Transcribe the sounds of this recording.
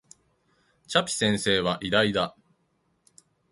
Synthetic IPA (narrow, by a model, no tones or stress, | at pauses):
t͡ɕapʲi̥sẽ̞ɰ̃se̞ːβaʔid̪aid̪a